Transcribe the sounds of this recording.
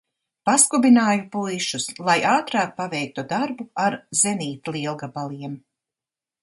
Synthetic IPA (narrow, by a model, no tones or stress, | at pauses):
paskubinaːjupujʃuslˠajaːt̪ɾɑːk̚pavɛjk̚t̪ud̪aɾbuaɾzɛniːt̪lˠiɛlˠɡabalˠiɛm